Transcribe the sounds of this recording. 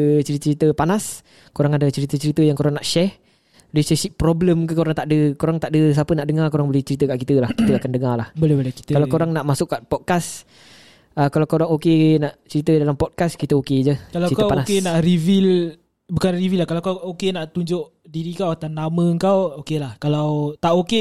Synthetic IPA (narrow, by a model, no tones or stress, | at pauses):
t͡ʃəɾit͡ʃəɾit̪əpanas | koɾaŋadat͡ʃəɾit̪ət͡ʃəɾit̪əjaŋkoɾaŋnaʔʃɛh | lesɛsiʔpɾobləmkəkoɾaŋt̪aʔdəkoɾaŋt̪aʔdəs̬apənaʔdəŋakoɾaŋbolɪht͡ʃəɾit̪əkaʔkit̪əlahkit̪əakandəŋalahbolɛhbolɛki̥t̪kalawkoɾaŋnaʔmasʊʔkːaʔpɔt̚kas | əkalawkoɾaŋokenaʔt͡ʃəɾit̪ədalampɔt̚kaskit̪əoked͡ʒəkalaəik̪əpanasenaʔrivil | bukanrivilːahkalawkawokenaʔt̪uɲd͡ʒʊʔ | diɾikawat̪anːamə̃əŋkawokelahkalawt̪aʔoke